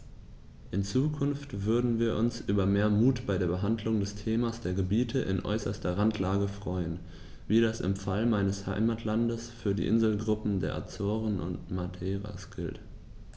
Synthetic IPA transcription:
ʔɪnt͡suːkʰʊnftv̥ʏɐdn̩viːɐʔʊnsʔyːbɐmeːɐmuːtb̥aɪɾeːɐbəɦandlʊŋdɛstʰeːmasd̥eːɐɡəbiːtʰəʔɪ̰nʔɔ̰ʏsɐstɐʁantʰlaːɡəfʁ̥ɔʏən | viːɾasɪ̰mfalmaɪnəsha̰ɪmatʰlandəsfyːɐdḭːʔɪnzl̩ɡʁʊpm̩deːɐʔa̰t͡sɔːʁənʔʊ̰ntmadɛːʁa̰sɡ̥ɪlt

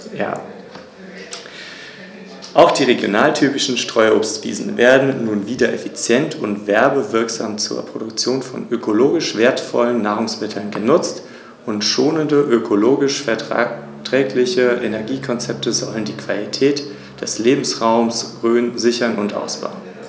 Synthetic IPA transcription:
ja̰ː | ʔaʊxd̥iːʁeɡjonaːltʰyːpɪʃn̩ʃtʁ̥ɔʏoːpstv̥ḭːzn̩veːɐdn̩ːuːnviːdɐʔefit͡sjɛntʰʊntv̥ɛɐbəvɪɐkz̥a̰ːmt͡sṵːɐpʁ̥odʊkt͡sjoːnfɔ̰nøkʰoloːɡɪʃv̥eːɐtfɔ̰lənːaːʁ̞ʊŋsmɪtʰl̩nɡənʊt͡st | ʊntʃoːnəndəʔøkʰoloːɡɪʃfɛɐ | tʁ̥ɛːklɪçəʔenɛɐɡiːkʰɔnt͡sɛp̚təzɔləndiːkʰv̥alitʰɛːt | d̥ɛsleːbm̩sʁaʊmsʁøːnzɪçɐnʊntʔa̰ʊsb̥a̰ʊn

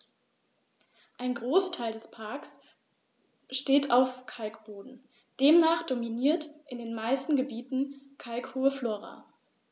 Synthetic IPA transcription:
ʔaɪnɡʁoːstʰaɪldɛspʰaɐks | ʃteːtʰaʊfkʰalkb̥oːdn̩ | d̥eːmnaːχd̥ominiːɐtʔɪndeːnmaɪstn̩ɡəbiːtn̩kʰalkhuːəfloːʁa̰

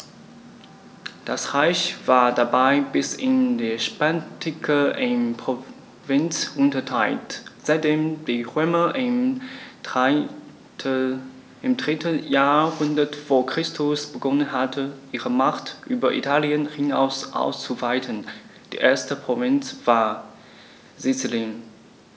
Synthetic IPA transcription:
d̥asʁaɪçv̥aːɐdabaɪbɪsɪndeʃpantʰɪkʰəʔɪmpʁo | vɪnt͡sʔʊntɐtʰaɪltz̥aɪt̚d̥eːmd̥iːʁøːmɐ | ɪmdʁɪtʰəjaːhʊndɐtv̥oːɐkʁ̥ɪstʰʊsb̥əɡɔnənɦatʰəʔiːʁəmaχtʔyːbɐʔḭtʰaːljənhina̰ʊsʔa̰ʊst͡suvaɪtʰənd̥ḭːʔeːɐstəpʁ̥ovɪnt͡sv̥aːɐ | zɪt͡səlɪŋ

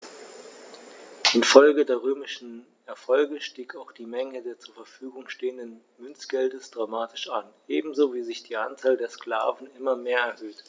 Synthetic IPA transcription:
ʔɪnfɔlɡədeːɐʁ̞øːmɪʃn̩ | ɛɐfɔlɡəʃtiːkaʊxd̥iːmɛŋədeːɐt͡suːɐfɛɐfyːɡʊŋʃteːəndən | mʏnt͡sɡ̥ɛldəsd̥ʁamaːtʰɪ̥ʃanʔeːbm̩zoviːzɪçd̥iːʔa̰nt͡saːldeːɐskl̥a̰ːvn̩ʔɪmɐmeːɐɛɐhøːt

